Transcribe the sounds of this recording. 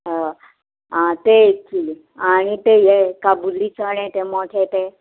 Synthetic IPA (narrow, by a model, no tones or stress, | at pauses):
ɦa | ɦãt̪ekʰi | aɽ̃it̪ejekabulːit͡səɳ̃ɛ̃t̪emɔʈʰɛt̪e